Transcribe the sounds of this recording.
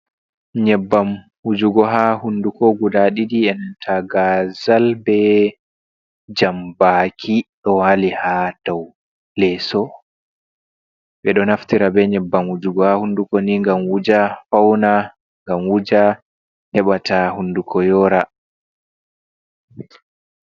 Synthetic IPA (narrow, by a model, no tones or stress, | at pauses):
ɲɛbːam | wud͡ʒuɡɔɦahundukɔɡudaɗiɗiɛntʰaɡazalbɛ | d͡ʒambaːkʰiɗɔwalihad̥aw | lɛsɔ | bɛɗɔnaftiɾabɛɲɛbːamwud͡ʒuɡɔhahundukɔniŋɡamwud͡ʒafawna | ŋɡamwud͡ʒa | hɛɓatahundukʰɔjɔːɾa